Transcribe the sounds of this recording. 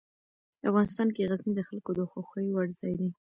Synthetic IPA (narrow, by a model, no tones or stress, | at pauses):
afɣɑnɪst̪ɑnkeɣaznid̪əxalkod̪əxoxəjwaɽzɑjd̪i